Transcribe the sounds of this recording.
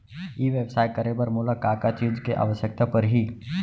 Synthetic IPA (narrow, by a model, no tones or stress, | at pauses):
iːʋeːbsaːɪʈ̚kɐɾebəɾmʊlakaːkaːt̪jʊd͡ʒʱkeʔa̰ːʋəʃjək̚t̪apɐɾɦiː